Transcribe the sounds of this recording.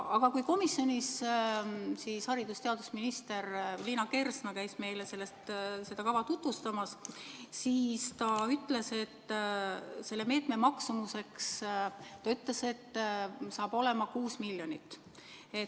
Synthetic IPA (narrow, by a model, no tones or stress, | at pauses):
ɑɡ̥ɑkujko̞misjo̞nis | siːshɑɾid̪̥ust̪e̞ɑd̪usminist̪e̞ɾliːnɑke̞rsnɑkæjsme̞jle̞se̞lːe̞st̪se̞d̪̥ɑkɑvɑt̪ut̪vust̪ɑmɑssiːst̪ɑyt̪le̞se̞t̪ː | se̞lːe̞me̞ːt̪me̞mɑksumuse̞kst̪ɑyt̪le̞se̞t̪ːsɑːb̥o̞le̞mɑkuːsmiljo̞nit̪ːˑ | e̞